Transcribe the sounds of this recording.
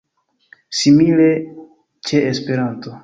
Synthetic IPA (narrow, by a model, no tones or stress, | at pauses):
simile̞ | t͡ʃe̞ːspe̞ɾanto